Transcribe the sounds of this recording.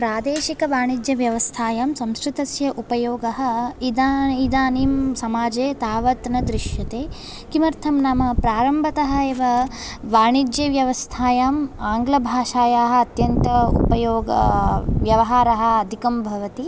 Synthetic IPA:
pɾaːd̪eːʃikɐʋaːɳid͡ʒjɐʋjɐʋɐst̪ʰaːjaːmsɐmskɾɪt̪ɐsjɐʔupɐjoːɡɐɦɐ̆id̪aid̪aːniːmsɐmaːd͡ʒeːt̪aːʋɐt̪nɐd̪ɾɪʃjɐt̪eː | kimɐɾt̪ʰɐmnamɐpɾaːɾɐmbʱɐt̪ɐɦɐ̆eːʋɐ | ʋaːɳid͡ʒjeːʋjɐʋɐst̪ʰaːjaːmaːŋɡlɐbʱaːʃaːjaːɦɐ̆ɐt̪jɐnt̪ɐṵpɐjoːɡɐ̰ʋjɐʋɐɦaːɾɐɦɐ̆ɐd̪ʱikɐmbʱɐʋɐt̪i

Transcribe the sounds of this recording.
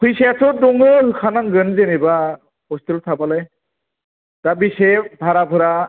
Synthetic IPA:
pʰujsatʰɔdɔŋɯɦɯkʰanaŋɡənzeneba | hɔst̪ilt̪ʰapalaj | tabisebʱaɾabʱɯɾa

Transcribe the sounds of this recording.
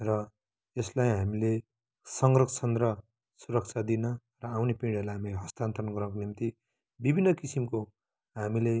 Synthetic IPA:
rʌ | eslajɦamile | sʌŋɡrʌkʰt͡sʰʌnd̪rʌ | suɾʌk̚t͡sʰad̪inʌ | rʌawnepiɽʌlaɦamileɦʌst̪ant̪ʰʌnʌɡʌrnʌkonimt̪i | bibʱinːʌkisimko | ɦamile

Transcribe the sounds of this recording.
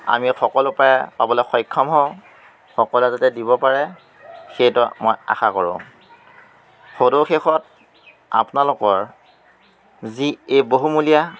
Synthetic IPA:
a̰mixɔkɔlʊpajɛpabɔlɔxɔjkʰːɔmɦɔ̃ | xɔkɔlɛzatɛdibɔpaɹɛ | xejtɔmɔja̰xakɔɹʊ̰̃ | xodʊɹxexɔt̚ | a̰pnalʊkɔɹ | ziejboɦumulija

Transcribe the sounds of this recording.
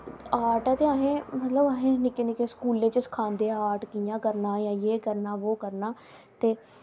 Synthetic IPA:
aːɾʈaːt̪eːaːɦẽːmət̪ləbaːɦẽːnɪkenɪkeskuːlːẽːt͡ʃəskʰaːnd̪eːaaːɾʈkijãːkəɾnaːjãːjeːkəɾnaːʋoːkəɾnaː | t̪eː

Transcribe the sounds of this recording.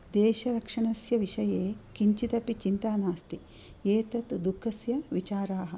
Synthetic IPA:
d̪eːʃɐɾɐkʂɐɳɐsjɐʋiʂɐjeːkiɲt͡ʃit̪ɐpit͡ʃint̪aːnaːst̪i | eːt̪ɐt̪d̪ukʰːɐsjɐʋit͡ʃaːɾaːɦɐ̆

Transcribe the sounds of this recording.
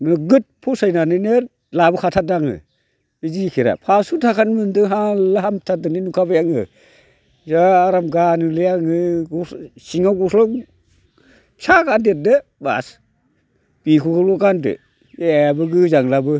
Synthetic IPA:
nɯɡɯt̚pʰusajnanɯnɯ | labɯkʰatʰat̚daŋɯ̰ | izikʰiɾa̰pʰasutʰakʰanmɯndɯɦalaɦamtʰadɯninukʰabajaŋɯ̰ | zaːɾamɡanɯlɯjaŋɯɡɔsiŋawɡɔslɔ | t͡ʃʰakandet̚dɯba̰s | b̥ikʰuɡɯlɔkandɯ̰ | eajabɯɡɯzaŋlabɯ

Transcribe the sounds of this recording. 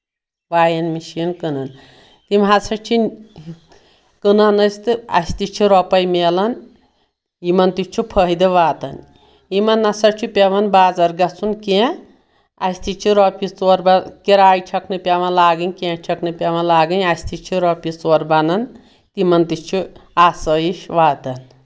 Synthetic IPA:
ʋaːjɐnmiʃinkɨnɐn | t̪imɦasʰɐt͡ʃʰi | kɨnɐnɐst̪ɨɐ̰sʲt̪it͡ʃʰiɾɔpɐjmeːlɐn | jimɐnt̪it͡ʃʰupʰəɦid̪ɨʋaːt̪ɐn | imɐnːɐsɐɾt͡ʃʰupʲeʋɐnbaːd͡zɐɾɡɐt͡sʰunke | ɐsʲt̪it͡ʃʰiɾɔpit͡soɾbɐkiɾaːjt͡ʃʰɐknɨpʲɐʋɐnlaːɡɨnʲkẽt͡ʃʰɐknɨpʲaʋɐnlaːɡɨnʲɐsʲt̪it͡ʃʰiɾopit͡soːɾbɐnɐn | t̪imɐnt̪it͡ʃʰuasɐjiʃʋaːt̪ɐn

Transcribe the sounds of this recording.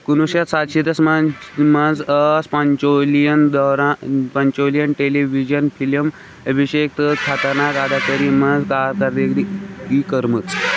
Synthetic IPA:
kunuɕat̪sat̪ɕid̪ɐsmamand͡zəspaɲt͡ʃolijənd̪ɔɾapɐɲt͡ʃolijənʈeleʋid͡ʑənpʰiləm | əbʱiɕek̚t̪əkʰat̪əɾnakad̪ʱakəɾimənd͡zkaɾkaɾd̪eɡd̪ikikəɾmɨt͡s

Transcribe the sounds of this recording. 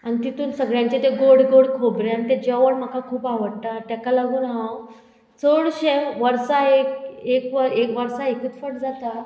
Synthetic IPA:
anit̪it̪uːnsəɡɭjãɲt͡ɕet̪eɡoɽɡoɽkʰobɾjant̪ed͡ʑaʋəɽm̤akakʰuːpaʋəɽt̪at̪jakalaɡuːnɦaw | t͡soɽɕemʋəɾsaekekʋəɾekʋəɾsaekəːt͡sfəʈ̚d͡zat̪a

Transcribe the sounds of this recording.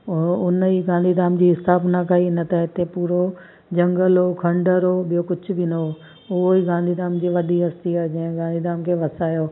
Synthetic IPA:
ʊnəiɡãːnd̪ʱid̪aːmd͡ʑiːɪst̪aːbnakʰaːiɪnət̪aɪt̪epuːɾo | d͡ʑɐ̃ŋɡəlɦoːkʰɐ̃ɳɖəɾɦoːɓijokʊd͡ʑʰʱʊ̆bɪnɐɦo | ʊɦoiɡãːnd̪ʱid̪aːmd͡ʑiːʋɐɗiɦɐst̪iaːd͡ʑɐ̃ɦɪ̃ɡaːnd̪ʱid̪aːmkʰeːʋɐsaːjoː

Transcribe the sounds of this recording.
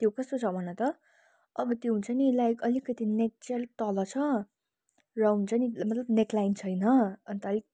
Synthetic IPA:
t̪jokʌst̪ot͡sʰʌbʱʌnʌt̪ʌ | ʌbʌt̪joɦunt͡sʌnilajkʌlikʌt̪inek̚t͡selt̪ʌlʌt͡sʰʌ | rawunt͡sanimʌt̪lʌbneklajnt͡sʰʌjnʌʌnit̪ʌːli

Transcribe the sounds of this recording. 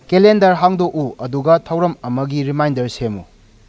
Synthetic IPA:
kelendɐɾɦaŋdoʔuɐduɡɐtʰɐwɾɐmɐmɐɡiɾimajndɐɾsemṵ

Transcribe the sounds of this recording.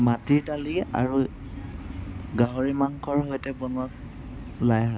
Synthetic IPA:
matiɹdalia̰ɹu | ɡaɦoɹimaŋkʰɔɹɦojtɛbɔnak̚ | lajɦa

